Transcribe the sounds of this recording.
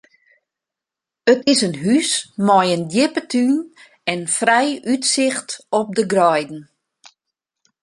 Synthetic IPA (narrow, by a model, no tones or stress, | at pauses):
ətɪsənɦysmɔjəndjɪpətʰyn | ɛnfrɛjʔytsɪxtɔp̚dəɡrɔjdn̩